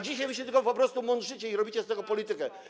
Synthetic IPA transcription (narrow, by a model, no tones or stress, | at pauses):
d͡ʑiɕajvɘɕ̬ɛt̪ɘlkɔpɔpɾɔst̪umɔnt͡ʂɘt͡ɕɛiɾɔbʲit͡ɕɛst̪ɛɡɔpɔlʲit̪ɘkɛ